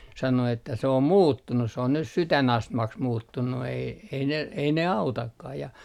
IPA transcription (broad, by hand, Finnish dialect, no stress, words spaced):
sɑno etːæ se om muːtːunus se on nyt sytænɑstmɑks muːtːunːu ei ei ne ei ne ɑutɑkːɑh jɑ